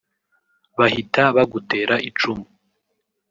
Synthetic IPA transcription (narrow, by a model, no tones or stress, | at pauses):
βahitaβaɡute̞ːɾaʔit͡ʃumu